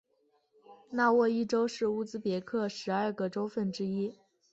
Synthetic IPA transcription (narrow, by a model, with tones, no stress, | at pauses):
na˥˧wɔ˥˧i˥˩ʈ͡ʂo˥ʊʂɻ̩˥˩u˥˩t͡sɹ̩˥pjɛ˧˥kʰɤ˥˩ʂɻ̩˧˥ə˞˥˧ɡə˨ʈ͡ʂo˥ʊfə˥˩nʈ͡ʂɻ̩˥i˥